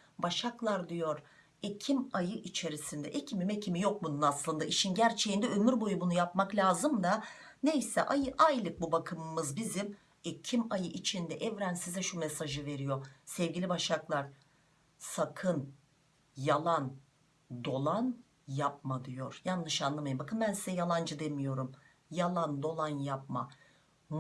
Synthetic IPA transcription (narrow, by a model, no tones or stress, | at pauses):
baʃaklˠaɾd̪ijo̞ɾ | ecʰimajɯʔit͡ʃʰe̞ɾisind̪ɛʔecʰimimɛcʰimijo̞k̚bununaslˠɯnd̪aʔiʃinɟæɾt͡ʃʰejind̪ɛømyɾbo̞jubunujapmaklʲaːzɯmd̪a | ne̞jsɛ̰ʔajɯʔajlʲˠɯk̚bubakʰɯmɯmːɯzbizim | ecʰimajɯʔit͡ʃʰind̪ɛʔɛvɾænsizɛʃumesaʒɯve̞ɾijo̞sɛvɟilʲibaʃaklˠaɾ̥ | sakʰɯn | jalˠan | d̪o̞lˠan | jap̚mad̪ijo̞ɾ̥janːɯʃanlˠɯmajɯmbakʰɯnbænsizɛjalˠand͡ʒɯd̪emijo̞ɾum | jalˠand̪o̞lˠanjap̚ma̰